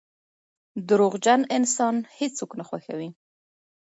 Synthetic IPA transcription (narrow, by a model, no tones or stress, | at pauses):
d̪əɾoɣd͡ʒanɪnsɑnhet͡soknaxwaxawi